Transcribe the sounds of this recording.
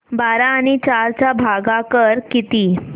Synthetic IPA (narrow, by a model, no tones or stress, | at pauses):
baɾaːɽ̃it͡ɕaɾt͡ɕabʱaɡakəɾkit̪iː